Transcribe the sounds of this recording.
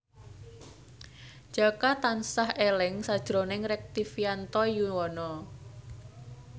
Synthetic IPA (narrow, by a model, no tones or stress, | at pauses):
d͡ʒ̥akat̪ansahelɪŋsad̥ʒ̥ɾonɪŋɾɛk̚t̪ifiant̪ɔjuwɔnɔ